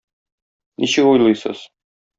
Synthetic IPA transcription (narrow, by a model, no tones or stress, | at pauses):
nʔiɕɘkujlˠɤjsɤ̰z̥